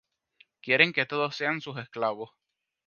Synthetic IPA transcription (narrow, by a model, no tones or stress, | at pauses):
kje̞ɾe̞ŋke̞t̪o̞ðosːe̞ansus̬e̞sklaβo̞s